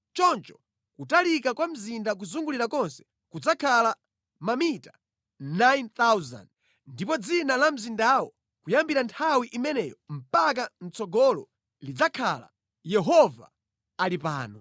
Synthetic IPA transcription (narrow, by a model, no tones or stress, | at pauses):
t͡ʃɔnt͡ʃɔ̥ | kutalikakwam̩zindak̬uzuŋɡuliɾakɔnsɛ̥ | kud͡zakʰala | mamita | najnt̪awza̰nd | ndipɔd͡zinalam̩zindawɔ | kujambiɾantʰawiʔimɛnɛjɔm̩pak̬an̩t͡sɔɡɔlɔ̰ | lid͡zakʰala̰ | jɛɦɔva̰ | alipa̰ːnɔ